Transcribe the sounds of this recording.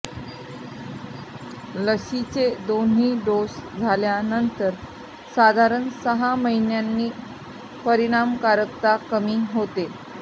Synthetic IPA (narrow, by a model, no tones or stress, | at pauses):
ləɕit͡sed̪on̤iːɖosd͡zʱaljanənt̪əɾ | sad̪ʱaɾəɳsəɦaməɦinjanːiː | pəɾiɽ̃amkaɾəkt̪akəmiːɦot̪e